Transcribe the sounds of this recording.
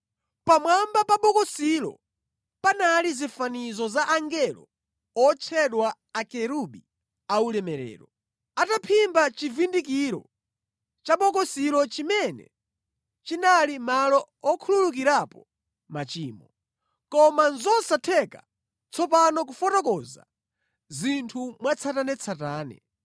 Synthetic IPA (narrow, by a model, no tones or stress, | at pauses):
pamwambapaɓɔkɔsilɔ̰ | panalizifanizɔzaʔaŋɡɛlɔ̰ | ɔt͡ʃʰɛɗwa | akɛɾuɓi | aulɛmɛɾɛ̰ːɾɔ | atapʰimbat͡ʃivindik̬iɾɔ̰ | t͡ʃaɓɔk̬ɔsiɾɔt͡ʃimɛnɛ̰ | t͡ʃinalimalɔ | ɔkʰululuk̬iɾapɔ | mat͡ʃiːmɔ | kɔmanzɔsatʰɛka | t͡sʰɔpanɔk̬ufɔtɔkɔza̰ | zintʰumwat͡sʰatanɛt͡sʰataːnɛ̰